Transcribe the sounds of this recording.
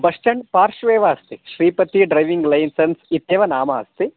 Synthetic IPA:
bɐʂʈɐɳpaːɾʃʋeːʋɐɐst̪iʃɾiːpɐt̪iɖɾɐjʋiŋɡlɐjnsɐnsit̪eːʋɐnaːmɐɐst̪i

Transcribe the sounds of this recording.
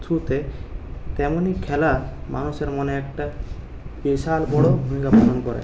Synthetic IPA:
tʰut̪e | t̪ɛmonikʰɛlamanuʃeɾmoneɛk̚ʈa | piʃalbɔɽobʱumikapalonkɔɾḛ

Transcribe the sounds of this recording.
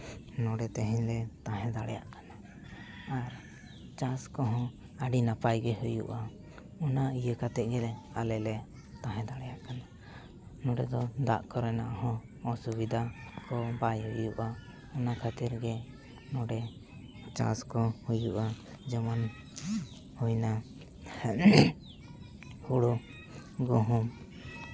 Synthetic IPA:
nɔɖɛt̪ɛɦɛɲlɛt̪ãɦɛ̃d̪aɽɛja̰ʔkanaː | ɾ | t͡ʃaskɔɦɔ̃ | aɖinapajɡɛɦujṵʔa | ɔnaijəkat̪ɛʔ̚ɡɛlɛalɛlɛ | t̪ãɦɛ̃d̪aɽɛjaʔkana | nɔɖɛd̪ɔd̪a̰ʔkɔɾɛna̰ʔhɔ̃ː | subid̪ʱakɔbajhujuʔa | ɔnakʰat̪iɾɡɛ | nɔɖɛ | t͡ʃa̰skɔhujuʔa | d͡ʒəman | hujna | huɽu | ɡɔɦum

